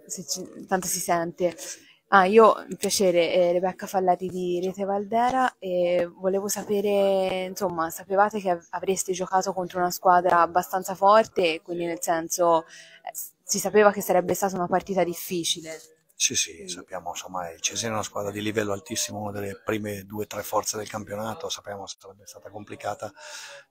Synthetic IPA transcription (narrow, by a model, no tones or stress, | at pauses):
set͡ʃit̪ant̪osisɛnt̪e | aiːoḭmpjat͡ʃeːɾeɾebɛkːafalːaɾid̪iɾeːt̪evald̪ɛːɾaevoleːvosapeːɾeinsomːasapevaːt̪ekeavɾest̪ed͡ʒokaːt̪okont̪ɾounaskwaːd̪ɾaːbːast̪ant̪safɔrt̪ekːwind̪inelsɛnso | ɛ | sisapeːvak̟esːaɾɛbːest̪aːt̪aunapart̪iːt̪ad̪ifːiːt͡ʃile | sisisapːjaːmonsomːaɛt͡ʃesɛɾunaskwaːd̪ɾad̪ilivɛlːoalt̪isːimounad̪elːepɾiːmed̪uːet̪ɾɛfːɔrt̪sed̪elkampjonaːt̪osapːjaːmose̥saɾɛbːest̪aːt̪akomplikaːt̪a